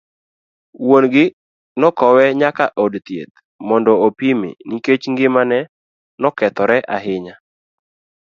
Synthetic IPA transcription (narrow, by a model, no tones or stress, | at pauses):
wonɡɪ | nɔkɔwɛɲakaʔodt̪jḛt̪̚ | mɔndɔopimḛniket͡ʃŋɡɪmanɛ | nɔkɛt̪ɔɾɛʔa̰ɦɪɲa